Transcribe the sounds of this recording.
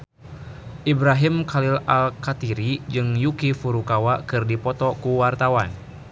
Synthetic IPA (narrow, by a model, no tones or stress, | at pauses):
ʔibɾaɦimkalilalkat̪iɾid͡ʒɨŋjukifuɾukawakɨrdipɔt̪ɔkuwart̪awan